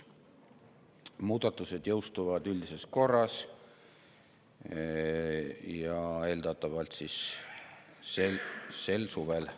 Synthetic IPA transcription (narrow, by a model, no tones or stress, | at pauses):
muːd̪̥ɑt̪ːˑuse̞d̪jɤwst̪uvɑd̪ylʲd̪ise̞sko̞rːɑs | jɑe̞ld̪ɑt̪ːˑɑvɑlt̪sis | sese̞lsuvel